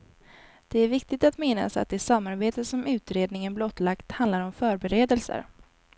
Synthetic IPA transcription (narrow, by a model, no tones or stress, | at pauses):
d̪̥ɛæɾvɪk̚t̪ɪɡt̪at̪mɪnːa̰sa̰t̪̚d̪ɛsamːaɾbeːt̪əsɔmʉ̟ːt̪ɾeːd̪nɪŋənblɔt̪ːlakt̪hãnd̪laɾɔmfœːɾbɛɾeːd̪əlsə̰ɾ